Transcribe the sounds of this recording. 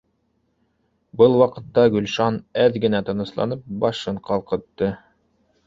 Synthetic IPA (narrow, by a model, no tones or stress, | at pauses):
bɤlˠwɑqɤ̆t̪ːɑɡɵ̆lʲʃɑnæðɡɘ̆næt̪ɤ̆nɤ̆slˠɑ̰nɤp̚bɑʃɤɴqɑlˠqɤ̆t̪ːɤ